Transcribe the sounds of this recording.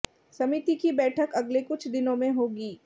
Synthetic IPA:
sɐmit̪ikibɛːʈʰəkɐɡlekʊt͡ʃʰd̪ɪnõmẽɦoːɡiː

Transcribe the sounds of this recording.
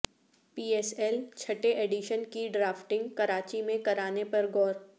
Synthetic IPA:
piːɛːsɛlt͡ʃʰɐʈeʔeːɖiʃənkiɖɾaːfʈɪ̃ŋɡkɐɾaːt͡ʃimẽkɐɾaːnepɐɾɡɔːɾ

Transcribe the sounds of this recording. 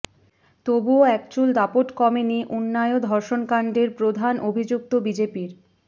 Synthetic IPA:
t̪obuoɛkt͡ɕuld̪apoʈkɔmeniʔunːaeod̪ʱɔɾʃonkaɳɖeɾpɾod̪ʱanʔobʱid͡ʑuk̚t̪obid͡ʑepiɾ

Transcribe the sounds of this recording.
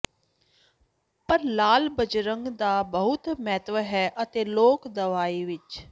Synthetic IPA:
pəɾlaːlbəd͡ʒɾəŋɡd̪aːbəɦʊt̪mɛːt̪ʋəɦɛːʔət̪eːloːkd̪əʋaːiːʋɪt͡ʃ

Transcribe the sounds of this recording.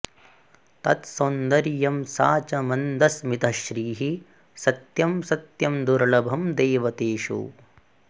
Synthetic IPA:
t̪ɐt̪sɐnd̪ɐɾijɐmsaːt͡ʃɐmɐnd̪ɐsmit̪ɐʃɾiːɦi | sɐt̪jɐmsɐt̪jɐmd̪uɾɭɐbʱɐmd̪ɛːʋɐt̪eːʂṵ

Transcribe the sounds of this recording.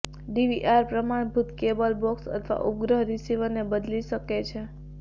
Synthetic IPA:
ɖiʋiʔaɾpɾəmaɽ̃bʱut̪kebəlbɔksə̰t̪ʰʋa̰ʔʊp̚ɡɾəɦɾisiʋənebəd̪liʃəket͡ʃʰe

